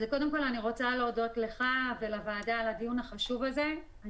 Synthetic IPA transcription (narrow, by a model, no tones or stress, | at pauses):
zeko̞de̞mko̞laniʁo̞t͡salodotle̞χavelavaːdaladijunhaχaʃuvaze̞ | a